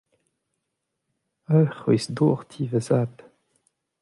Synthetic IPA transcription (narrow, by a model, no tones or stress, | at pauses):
aχwḭsd̪oːʁt̪ʰiːvəzaːd̪